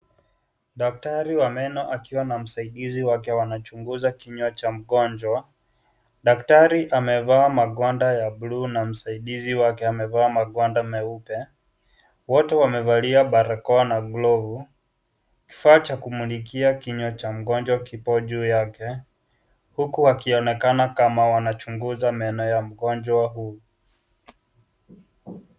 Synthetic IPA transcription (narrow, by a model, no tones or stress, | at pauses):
ɗak̚taɾiwamɛnɔʔakiwanam̩saiɗiziwakɛwanat͡ʃuŋɡuzakiɲɔt͡ʃam̩ɠɔnd͡ʒwa | ɗaktaɾiʔamɛvaːmaɠɔndajaɓluːnam̩saiɗiziwakɛamɛvaːmaɠɔndamɛupɛ | wɔtɛwamɛvaliaɓaɾakɔanaɡlɔvu | ki̥faːt͡ʃakumulikiakiɲɔt͡ʃam̩ɡɔnd͡ʒwakipɔʄuːjakɛ | hukuwakiɔnɛkanakamawanat͡ʃuŋɡuzamanɔjam̩ɡɔnd͡ʒwaɦu